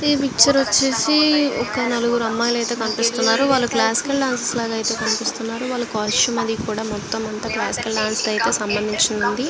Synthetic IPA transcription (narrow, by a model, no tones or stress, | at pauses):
epikt͡ʃɐɾʋɐt͡ʃːeːsiɔkɐnɐluɡuɾuɐmːaːjlɐjt̪e̞ːkɐnipist̪unːaːɾuʋaːɭlːuklaːsi̥kɐlɖaːnsɐslaːɡɐjt̪e̞ːkɐnipist̪unːaːɾuʋaːɭːukaːɾsumɐd̪ikuːɽaːmɔt̪ːɐmɐnt̪ɐːklaːsi̥kɐlɖaːnsd̪ɐjit̪e̞ːsɐmbɐnd̪ʱiɲt͡ʃind̪ɐnd̪i